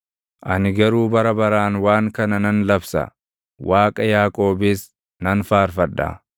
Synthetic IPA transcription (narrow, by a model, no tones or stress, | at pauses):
ʔɐnɪɡɐɾuːbɐɾɐbɐɾaːnwaːŋkɐnɐnɐnlɐbsɐ̰ | wʔaːkʼɐjaːkʼo̞ːbɪs | nɐnfaːɾfɐᶑːɐ̰